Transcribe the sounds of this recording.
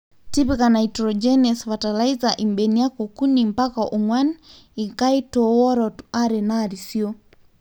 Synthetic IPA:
tipikanaitɾɔd͡ʒɛnɛsβatalaizaʔimbɛnijakokunimpakaʔɔŋwan | ikaitɔwɔɾɔtaɾɛnaɾisiɔ

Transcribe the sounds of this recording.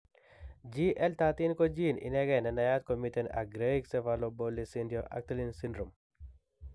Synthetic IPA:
d͡ʒiʔɛlt̪at̪inkod͡ʒinɪ̰nɛɡɛnɛnajat̪̚komitɛna̰ɡɾeiksɛvalobolisindjɔʔa̰k̚t̪elinsindɾom

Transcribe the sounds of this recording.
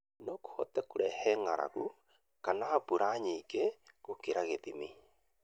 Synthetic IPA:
noku̥hotɛkuɾɛhɛŋaɾa̰ɣu | kanapuɾʔaɲikeɣokeɾaɣeðimi

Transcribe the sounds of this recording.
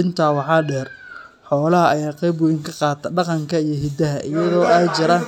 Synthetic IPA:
ɪnt̪ʰaːwɑħɑːɖɛːr | ħɔːlɐɦɐɐjaːqɛjbʊjɪŋkʰɐqɑːt̪ʰɐɖɑqɑŋkʰɐijɞɦɪd̪ɐɦɐʔɪjɐðɔːaːt͡ʃɪɾa

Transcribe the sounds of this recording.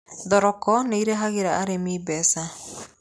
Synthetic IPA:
ðɔɾɔkɔneiɾeɦaɣeɾaaɾemiːbɛsa

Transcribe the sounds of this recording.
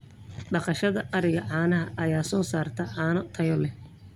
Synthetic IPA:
ɖɑqɑʃɐðɐʔɐɾɪɣɐʕɑːnɐɦɐʔɐjaːsɔːsaːrt̪ʰɐʕɑːnɔt̪ʰɐjɔlɛ

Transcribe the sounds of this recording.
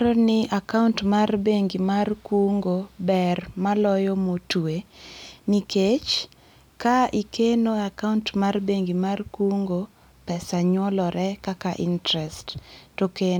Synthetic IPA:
ɾɔnɪʔakauntmarbeŋɡimarkuŋɡobɛrmalɔjɔmotueniket͡ʃ | kaʔikenoakauntmarbeŋɡimarkuŋɡo | pɛsaɲwɔlɔɾɛkakaʔintɾɛsttoke

